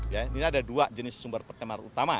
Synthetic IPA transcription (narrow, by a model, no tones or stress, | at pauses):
janinadaduad͡ʒənɪsːumbərpərt̪ɛmarṵt̪ama